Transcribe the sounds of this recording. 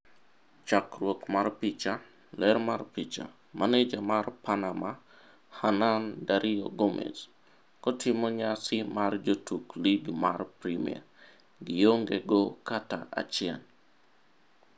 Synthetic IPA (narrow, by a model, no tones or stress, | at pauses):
t͡ʃakrwokmarpit͡ʃa | lɛɾmarpit͡ʃa̰ | mʔaned͡ʒamarpanama | hanandaɾʔioɡomʔɛ̰s | kɔtʰɪmoɲasɪmard͡ʒotukliɡmarpɾimḭɛ̰ | ɡɪjoŋɡeɡɔkata̰ʔa̰t͡ʃɪɛn